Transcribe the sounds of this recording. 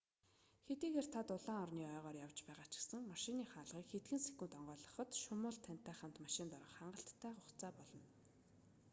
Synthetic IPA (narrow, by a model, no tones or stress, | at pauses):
xet̪iːɣeːrt̪ʰat̪ʊɮaːɔrniːœːʁɔːrjawt͡ɕpæːʁaːt͡ɕɪ̥̆ksə̆ŋmaʃɪniːχaːɮʁiːkxet̪ɡɘ̆nse̥kunt̪ɔɴɢœːɮɞ̆χɞ̆t̪ʃʊmʊːɮt̪ʰːæn̥t̪ːæːχə̆m̥t̪maʃɪ̆nt̪ɔɾɞə̆χaɴɢə̆ɬt̪ʰːæːχʊχt͡saːpɔɮɞ̆n